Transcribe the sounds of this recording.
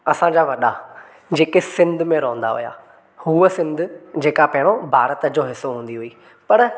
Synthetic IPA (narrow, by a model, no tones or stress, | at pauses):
ɐsãɲd͡ʑaʋɐɗa̰ | d͡ʑeːkesɪ̃nd̪ʱmẽɾoːə̃n̆d̪a̰ɦʊ̰ja̰ː | huəsɪ̃nd̪ʊ̆d͡ʑeːkapɐɦɪɽ̃obʱaːɾət̪əd͡ʑoːɦɪsːoɦũːn̆d̪iɦʊiː | pɐɾ